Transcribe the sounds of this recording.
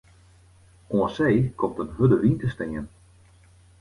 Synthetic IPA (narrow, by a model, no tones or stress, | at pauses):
oəsejkʰɔmtənɦødəʋintəstɪŋən